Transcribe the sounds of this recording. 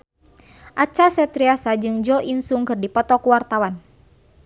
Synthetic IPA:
ʔat͡ʃasɛt̪ɾiasad͡ʒɨŋd͡ʒɔʔinsuŋkɨrdipɔt̪ɔkuwart̪awan

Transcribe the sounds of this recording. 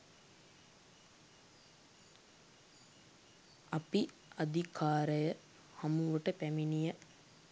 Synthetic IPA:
api | ad̪ʱikʰaːɾəjə | hamuʋəʈəpæminijə

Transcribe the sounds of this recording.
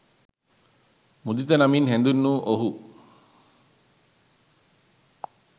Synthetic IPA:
mud̪it̪ɐnɐminɦend̪unːuːʔoɦu

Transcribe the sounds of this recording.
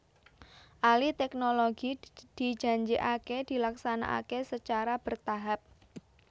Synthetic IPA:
ʔalit̪ɛknoloɡid̥i̤̥d͡ʒa̤ɲd͡ʒiʔaked̪̥i̤laksana̰ʔa̰kesət͡ʃaɾab̥ərt̪aɦap̚

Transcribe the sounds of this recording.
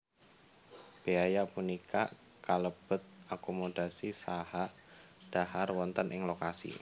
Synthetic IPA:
b̥eajapunikaʔ | kaləb̥ə̤t̪̚ʔakomod̥asisahaʔ | d̥aharwɔnt̪ənʔɪŋlokasḭ

